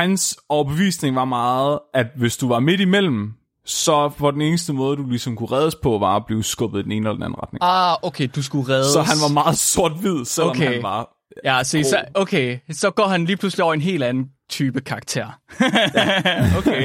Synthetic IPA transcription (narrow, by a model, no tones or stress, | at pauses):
hænsɒʊɐb̥e̝ʋḭːsne̝ŋʋɑ̈mɑ̈ːð̩ˠæd̥ʋe̝sd̥uʋɑ̈me̝d̥imel̰m̩ | sɒ̽pɒ̽d̥ene̝ːnəsd̥əmɔ̽ːð̞ˠdulisɒ̽mkʰuʁɛːð̞ˠəspʰɒ̽ʋɑ̈b̥liːʊsɡ̥ɔ̽b̥ð̩ˠd̥ene̝ːnəelɐdenæ̰n̩ʁɑ̈d̥ne̝ŋɑokʰeːd̥us̬ɡ̥uʁɛðsˠɒ̽ɦænnʋɑ̈mɑ̈ːð̩ˠso̝ɐ̰d̥ʋið̞̰ˠseloɒkmʰeæʋɑ̈ | jæsɒisokʰeːsɒ̽ɡ̥ɒ̰ːhænliːpʰlusliɒ̰ʊɐe̝nɦe̝̰ːlænn̩t͡sʰyːb̥əkʰɑ̈ɑɡ̥̚t͡sʰḛɐ̰ | oke